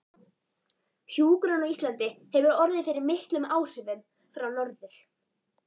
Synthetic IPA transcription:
hjuːkɾanaist̪lant̪ɪhɛvʏɾɔɾðɪfɪɾɪɾmɪht̪lʏmaːwr̥ɪvʏm | fɾawnɔɾðʏɾ̥

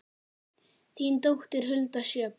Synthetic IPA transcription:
θint̪owxt̪ɪɾ̥ɦʏlt̪aʃjœːp

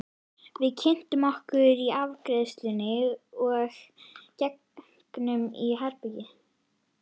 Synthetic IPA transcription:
vɪðcʰɪn̥t̪ʏmɔhkʏɾiavkɾɪðst̪lʏnɪɔɣcɛk | knʏmḭɦaɾpɪcɪ

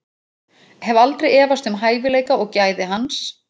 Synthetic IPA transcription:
hɛvʏalt̪ɾejɛːvast̪ʏmɦaːjvɪleːjkaɔɣcaːjðɪɦans

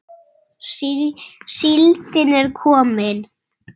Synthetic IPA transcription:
silt̪ɪnɛɾkʰɔːmɪn

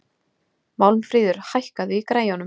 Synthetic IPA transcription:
mawlmfɾiːðʏɾ̥hajhkaðʏikɾaːjanʏ

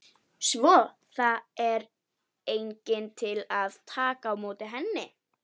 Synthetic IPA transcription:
svɔː | θaɛɾ | eːjɲcɪnt̪ʰɪlaðt̪ʰaːkaːwmoːt̪ɪɦɛnːɪ

